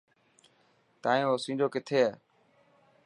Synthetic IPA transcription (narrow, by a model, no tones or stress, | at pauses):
t̪aːẽːoːsĩːd͡ʒoːkɪt̪ʰeːeː